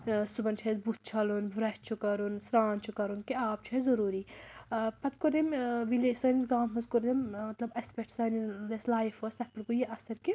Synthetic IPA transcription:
subɐnt͡ʃʰezbut̪̚t͡ʃʰɐlunʋɾɐʃt͡ʃʰukɐɾunsɾaːnt͡ʃʰukɐɾunkiaːp̚t͡ʃʰuezɐɾuːɾiː | pɐt̪kuɾemʋilesɐːnizɡaːnmɐzkuɾdemmɐt̪lɐbɐspeʈʰsɐnileslaːjfost̪ɐpɐɾkujiʔɐsɐɾki

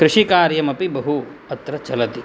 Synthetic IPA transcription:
kɾɪʂikaːɾjɐmɐpibɐɦu | ɐt̪ɾɐt͡ʃɐlɐt̪i

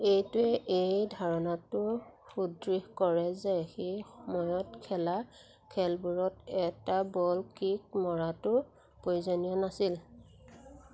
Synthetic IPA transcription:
ejtʊɛʔejdʱaɹɔnatʊɹxudɹihkɔɹɛzɛxejxɔmɔjɔtkʰɛla | kʰɛlbuɹɔtɛtabɔlkik̚mɔɹatʊɹ | poɹzɔnijɔnasil

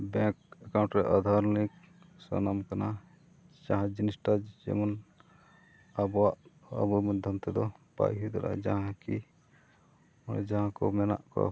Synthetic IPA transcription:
bɛ̃kɛkaw̃ɳʈɾɛʔad̪ʱaɾnik̚ | sɔ̰namkana | d͡ʒãɦãd͡ʒinisʈad͡ʒd͡ʒɛ̰mɔn | abwaʔa̰bɔmɛd̪ʱɔmt̪ɛd̪ɔba̰jɦid̪ɛɾa̰d͡ʒaɦãki | ɛd͡ʒãɦãkɔmɛna̰ʔkɔ̰

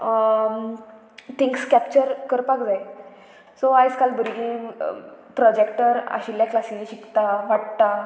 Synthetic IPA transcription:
t̪ʰiŋkskæpt͡ɕəɾkəɾpakd͡zaj | soajskalbəɾɡĩ | pɾɔd͡ʑekʈəɾa̰ɕilːjaklasĩɕikt̪aʋaʈ̚t̪a

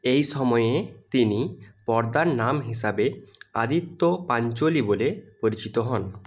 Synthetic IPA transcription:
ejʃɔmɔjet̪inipɔɾd̪aɾnamɦiʃabea̰d̪it̪ːopaɲt͡ɕolibolepoɾit͡ɕit̪oɦɔn

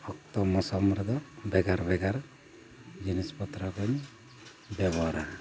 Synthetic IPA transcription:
pʰɔk̚t̪ɔmɔsɔmɾɔd̪ɔbɛɡaɾbɛɡaɾ | d͡ʒinispɔt̪ɾɔkɔɲ | bɛbɔɾa

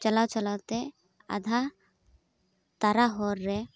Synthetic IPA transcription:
t͡ʃəlawt͡ʃəlawt̪e | ɐ̰d̪ʱa | t̪aɾaɦɔɾːɛ

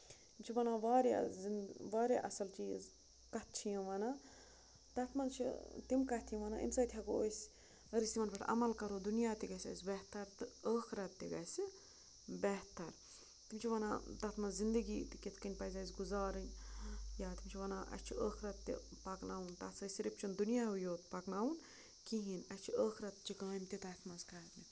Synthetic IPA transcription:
t̪imʲt͡ʃʰiʋɐnaːʋaːɾe | ʋaːɾʲeʔɐsɐlt͡ʃiːz | kɐt̪̚ʰt͡ʃʰijɐ̃ʋɐnaː | t̪ɐt̪ʰmɐnt͡ʃʰḭt̪imkɐt̪ʰjĩʋɐna̰ːʔḭmsaːt̪ʲʰjɐkoosʲ | ɐɾisʲt̪imɐnpɐʈʰɐ̰mɐlkɐɾoːd̪unjaːt̪iɡɐsʲɐ̰sʲbɛɦt̪ɐɾt̪ɨəːxʰɾɐt̪ːiɡɐsʲ | bɛɦt̪ɐɾ | t̪imt͡ʃʰiʋɐna̰t̪ɐːt̪ʰmɐnzind̪ɐɡiːt̪ikʲet̪ʰkɐnʲpɐzaːsɡuzaːɾɨnʲjaːt̪imt͡ʃʰiʋɐnaːʔɐ̰sʲt͡ʃʰiəːkʰɾɐt̪ːḭpɐknaːunt̪aːt̪sɐsʲiɾipt͡ʃʰund̪unjaːɦujoːt̪pɐknaːwun | kiɦinɐsʲt͡ʃʰiəːkʰɾɐt̪t͡ʃʰikɐʋɐmʲt̪ʲit̪aːt̪ʰmɐnskat̪ni

